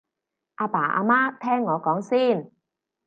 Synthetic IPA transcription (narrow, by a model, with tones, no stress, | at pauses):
ʔaː˧paː˨˩ʔa̰ː˧maː˥t̪ʰɛː˥ŋːɔː˨˧kɔː˨˥ŋsiː˥˩n